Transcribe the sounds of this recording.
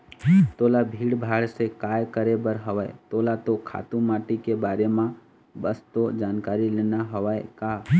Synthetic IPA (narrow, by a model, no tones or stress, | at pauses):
t̪oːlabʱiːɽbʱaːɽsekaːjkəɾebəɾɦəʋajḛt̪oːlat̪okʰa̰ːt̪ũmaːʈikebaːɾemã | bəst̪od͡ʒaːnkaːɾileːnaɦəʋaːekaː